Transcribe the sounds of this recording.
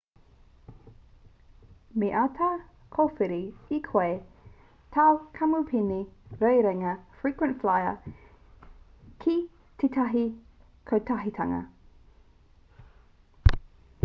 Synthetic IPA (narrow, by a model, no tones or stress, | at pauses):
meʔatʰaː | kʰofiɾiikʰae | tʰawkʰɐmupʰiniɾɛjɾɛŋɐfɹikwə̃ntflajə̰ | kʰi | tʰetʰɐɦi | kʰowtʰɐɦitʰɐŋɐ̰